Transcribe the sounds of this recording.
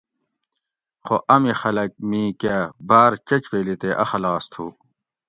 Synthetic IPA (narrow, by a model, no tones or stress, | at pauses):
xoʔɐmixɐlɐk̚mĩːkabaːɾt͡ɕɐt͡ɕpeːlit̪eːʔɐ̰xɐlaːst̪ʰuː